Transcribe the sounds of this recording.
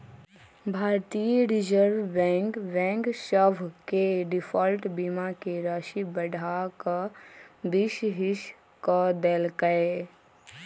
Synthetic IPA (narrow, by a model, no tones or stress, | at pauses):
bʱaːɾt̪ijɾɪd͡ʒəɾʋːɛ̃ːŋkbɛ̃ːŋkʃəbʱkeɖɪpʰɔːlʈbimakeɾaːʃibəɖʱaka | b̪ɪʃɦɪʃ | kəd̪elkəe